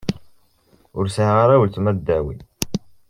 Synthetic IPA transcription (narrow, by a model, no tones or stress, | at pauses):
ʊɾsʁaɾæwəlt̪mæd̪ːæwḭ